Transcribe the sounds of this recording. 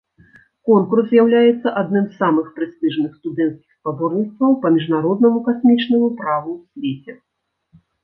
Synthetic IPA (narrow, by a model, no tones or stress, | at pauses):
kɔnkurszʲjawlʲajɛt̪sːɐʔad̪nɨmzːamɨxpɾɨst̪ɨʐnɨxst̪ud̪ɛnt̪skʲixspabɔrnʲit̪st̪vɐwpɐmʲiʐnaɾɔd̪nɐmukasʲmʲit͡ʂnɐmupɾavusʲvʲet͡sʲɛ